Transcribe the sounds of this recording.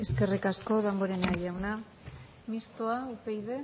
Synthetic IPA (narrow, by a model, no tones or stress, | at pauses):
eske̞rikasko̞ðamboɾenaʎawna | mist̪oaupejðe